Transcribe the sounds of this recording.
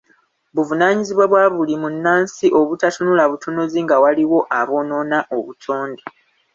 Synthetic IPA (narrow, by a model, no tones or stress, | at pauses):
βuvunaːɲiziβwaβwaːβulimunːaːnsiʔo̞βutatunulaβutunuziŋɡawaliwo̞ʔaβo̞no̞ːnaʔoβutʰo̞ːnde